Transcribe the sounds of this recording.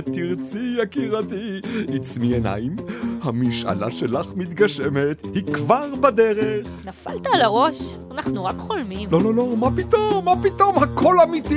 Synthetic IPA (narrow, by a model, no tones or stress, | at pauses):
t̪iʁt͡siakiʁat̪iit͡smiena̰imhamiʃa̰la̰ʃelaχmit̪ɡaʃemethikvaʁbad̪eʁeχnafalt̪alaʁo̞ʃ | anaχnuʁakχolmimlo̞lo̞lo̞mapit̪omːapit̪o̞mhakʰo̞lamit̪i